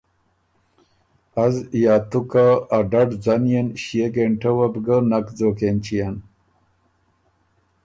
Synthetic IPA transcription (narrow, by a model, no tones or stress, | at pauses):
azjaːt̪ukaːɖaɖd͡zanijenɕijeɡeɳʈəwabɡənakd͡zoːkent͡ɕijan